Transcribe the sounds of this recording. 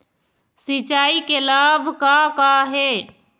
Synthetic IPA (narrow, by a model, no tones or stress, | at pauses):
sit͡ʃaːikelaːbʱkakaɦe